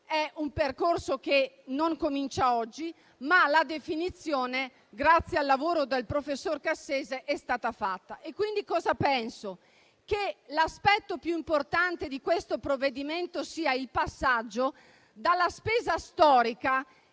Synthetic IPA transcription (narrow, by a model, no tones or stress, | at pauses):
ɛumperkorsoke | noŋkomint͡ʃaɔd͡ʒːi | malad̪efinit̪sːjoːne | ɡɾat̪sːjalːavoːɾod̪elpɾofesːorkasːeːzeʔɛst̪aːt̪afat̪ːaʔekːwind̪ikɔːzapɛnso | kelaspɛt̪ːopjuimport̪ant̪ed̪ikwest̪opɾovːed̪iment̪osiːailpasːad͡ʒːo | d̪alːaspeːzast̪ɔːɾika